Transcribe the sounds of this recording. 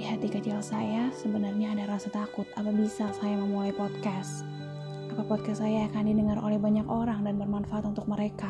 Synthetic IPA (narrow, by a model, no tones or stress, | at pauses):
ihat̪ikət͡ʃilsajasəbənarɲaːdaɾasat̪akʊt̪̚apabisasajaməmulajpot̪̚kas | kapapɔt̪̚kastsajaːkandidəŋarʔo̰lɛhbaɲakoɾaŋdanbərmanfaʔat̪unt̪ʊk̚məɾeka